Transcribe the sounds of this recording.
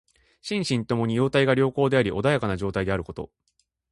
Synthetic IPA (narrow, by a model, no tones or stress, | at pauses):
ɕĩɰ̃ɕĩnt̪o̞mo̞ɲ̟ijo̞ːt̪aiɡaɾʲo̞ːko̞ːd̪eaɾʲiʔo̞d̪ajakanaʑo̞ːt̪aid̪e̞aɾɯ̟ko̞t̪o̞̰